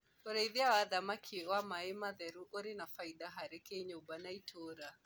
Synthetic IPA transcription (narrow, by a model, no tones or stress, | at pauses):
ɔɾaiðiawaðamakʰiwamaɛmaðɛɾuʔoɾinafaiɗaɦaɾɛkeɲɔubanaitʰoɾa